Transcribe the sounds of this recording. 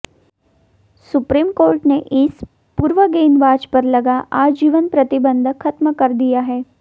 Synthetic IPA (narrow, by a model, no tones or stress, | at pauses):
sʊpɾiːmkoːɾʈneʔɪs | puːɾʋəɡeːnʋaːd͡ʒpɐɾlɐɡaʔaːd͡ʒiːʋənpɾɐt̪ɪbə̃nd̪ʱkʰːɐt̪məkɐɾd̪ijaɦɛː